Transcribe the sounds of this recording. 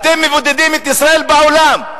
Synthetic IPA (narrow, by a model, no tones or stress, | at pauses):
t̪emːevod̪ed̪imet̪isʁae̞lbaolam